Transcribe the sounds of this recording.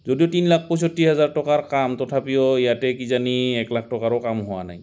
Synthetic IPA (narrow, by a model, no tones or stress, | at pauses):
zodijɔtinlak̚ʰpɔjs̬ɔtːiɦɛzaɹtɔkaɹkamtɔtʰapiɔijatɛkizaniɛklak̚ʰtɔkaɹɔkamɦʊwa̰na̰j